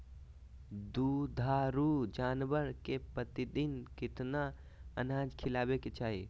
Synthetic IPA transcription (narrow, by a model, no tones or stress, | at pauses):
d̪ud̪ʱaɾud͡ʒanbəɾkepət̪id̪inkit̪na | ənãd͡ʒkʰilabeket͡ʃaːɦi